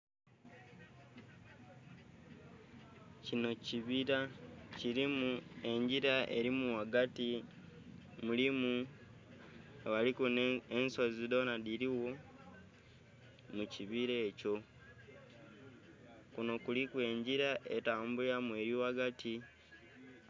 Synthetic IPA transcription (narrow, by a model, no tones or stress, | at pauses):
cino̞ciβiɾaciɾimue̞ɲɟiɾaʔeɾimuwaɡati | mulimu | aβalikunensozido̞nadiɾiwo̞ | muciβiɾe̞ːco̞ | kuno̞kulikwe̞ːɲɟiɾaʔe̞taːmbulamwe̞ɾiwaɡatʰi